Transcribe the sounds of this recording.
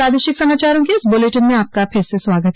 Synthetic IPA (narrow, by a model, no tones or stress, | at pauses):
aːd̪eːʃɪksɐmaːt͡ʃaːɾõkeɪsboːleʈənmẽaːp̚kapʰɪɾseswaːɡət̪